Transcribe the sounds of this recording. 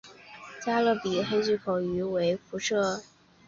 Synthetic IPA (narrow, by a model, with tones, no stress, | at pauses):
t͡ɕja˥lɤ˥˩pi˨˩xe˥ɪt͡ɕy˥˩kʰo˨˩ʊy˧˥we˧˥ɪfu˧˥ʈ͡ʂʰɤ˥˩